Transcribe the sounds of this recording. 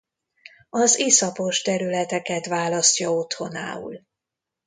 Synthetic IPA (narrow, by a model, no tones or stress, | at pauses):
ɒzisɒpo̞ʃt̪ɛɾylɛt̪ɛkɛt̪ʋaːlɒsʲɒo̞t̪ho̞na̰ːṵl